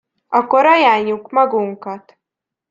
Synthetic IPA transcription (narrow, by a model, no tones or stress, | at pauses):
ɒkoɾɑjaːɲːukmɒɡuŋkɑt̪